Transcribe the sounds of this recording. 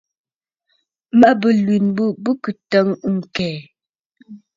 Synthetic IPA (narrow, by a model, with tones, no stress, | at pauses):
mə˦bə˨lwi˨nbu˦bə˦kə˨tə˦ŋ˦ŋ̩˨kɛː˨